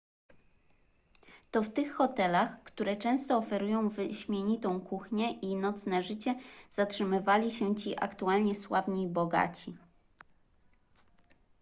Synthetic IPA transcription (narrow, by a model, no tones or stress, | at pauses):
t̪ɔft̪ɘxːɔt̪ɛlaxkt̪uɾɛt͡ʂɛ̃w̃st̪ɔːfɛɾujɔ̃w̃vɘɕmʲjeɲit̪ɔ̃w̃kuxɲɛʔinɔt̪snɛʐɘt͡ɕɛz̥atʂɘmɘvalʲiɕɛt͡ɕiʔa̰kt̪ualɲɛswavɲibɔɡa̰t͡ɕi